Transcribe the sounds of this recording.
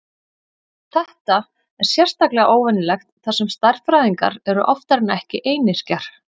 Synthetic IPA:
θɛht̪a | ɛɾ̥sjɛr̥st̪aklɛɣaʔoːwvɛnɪlɛxt̪θasɛmst̪aɾ̥fɾajðiŋka̰ɾɛɾʏʔɔft̪aɾɪnːaɛhcɪʔeːjnɪscaɾ̥

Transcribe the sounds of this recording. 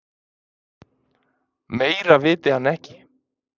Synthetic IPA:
meːjɾavɪːt̪ɪhanːɛhcɪ̥

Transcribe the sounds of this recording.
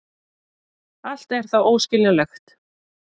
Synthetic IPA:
al̥t̪ɛɾ̥θawoːwscɪlnalɛxt̪

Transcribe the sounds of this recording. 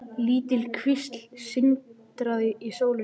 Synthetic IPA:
liːt̪ɪlkʰvɪst̪l̥sɪnt̪ɾaðɪisoːwlɪ

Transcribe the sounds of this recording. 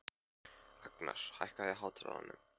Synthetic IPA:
akna̰ɾ̥hajhkajɛɦaːwt̪ɾa̰ða̰nːʏ

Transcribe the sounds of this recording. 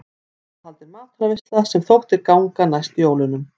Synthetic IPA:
halt̪ɪɾmaːt̪ɾavɪst̪lasɛmθowht̪ɪɾkawŋkanast̪joːwlʏnʏm

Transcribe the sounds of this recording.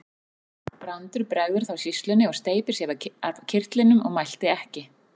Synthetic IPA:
pɾant̪ʏɾ̥pɾɛɣðʏɾ̥θawsist̪lʏnɪɔɣst̪eːjpɪɾ̥sjɛvaaɾcʰɪr̥t̪lɪnʏmɔɣmajl̥t̪ɪɛhcɪ

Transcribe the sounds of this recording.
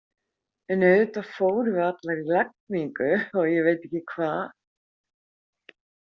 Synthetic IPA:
ʏnœɥt̪afowɾvat̪laɣilak̚miŋkʏɔɣjɛvejt̪ɛhcɪkʰvaː

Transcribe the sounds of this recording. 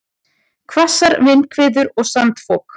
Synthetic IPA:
kʰvasaɾvɪnkʰvɪːðʏɾɔɣsant̪fɔːk

